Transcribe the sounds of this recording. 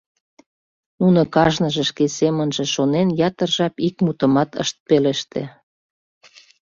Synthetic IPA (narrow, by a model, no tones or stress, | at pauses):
nunokɑʒnəʒĕʃkesemənʒĕʃonenjɑt̪ərʒɑpik̚mut̪əmɑt̪ə̰ʃt̪̚peleʃt̪ḛ